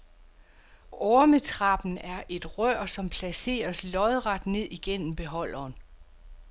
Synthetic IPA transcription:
ɒɐmet͡sʰʁɑ̈b̥n̩æɐʔe̝d̥ʁœɐ̰sɒ̽mpʰlæse̝̰ːɐslɒ̽ðˠʁɑ̈d̥ne̝ð̞̰ˠiɡ̥en̰m̩b̥e̝ɦɒ̽l̰ɐːn

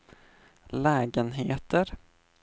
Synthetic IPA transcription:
lɛːɡənɦeːt̪əɾ

